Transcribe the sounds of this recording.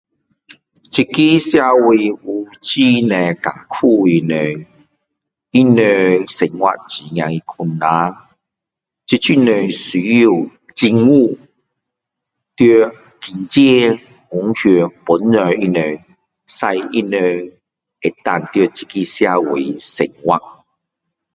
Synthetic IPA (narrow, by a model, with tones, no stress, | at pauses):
t͡ɕi˧ki˦sja˧wi˨˧u˧t͡ɕi˦nɛ̃˨ka̰˨˩ŋkʰu˥˧i˨nə˨ | i˦nə˧se˨ŋwa̰˧˨t͡ɕi˨ŋjã˨ŋi˧kʰu˧nːã˦ | t͡ɕi˧t͡ɕʰi˦nə˧˩si˨˦ju˧˨ | t͡ɕi˧ŋu˥˧ | t̪jø˧ | ki˨˩nt͡ɕe˦ | ŋu˨˦ŋhø˧˩pu˨˦nːə˨˧i˦nə˧ | sa˧jḭ˦nə˧ | e˨t̪a˧nt̪jə˧t͡ɕi˧ki˦sja˧wḛ˨sḛ˨ŋwa˦˧ʔ